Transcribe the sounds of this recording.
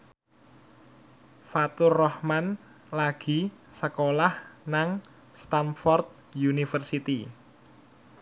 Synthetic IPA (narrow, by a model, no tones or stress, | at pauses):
fat̪ʊrɔhman | laɡ̥i̤səkolahnaŋ | st̪amfɔrt̪̚ | junifərsit̪i